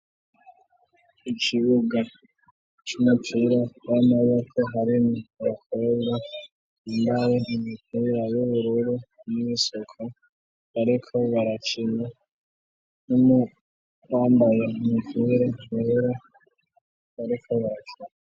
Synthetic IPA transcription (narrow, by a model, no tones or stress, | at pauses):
ikʰiβuɡa | t͡ʃumipʰiɾajamaβokʰoɦaɾimuβakʰoɡɡa | imbaɾeimipʰiɾajuβuɾuɾumisokʰo | aɾikʰo̞βaɾat͡ʃina | numu | waːmbajamupʰiɾaβeeɾa | βaɾikʰoβat͡ʃu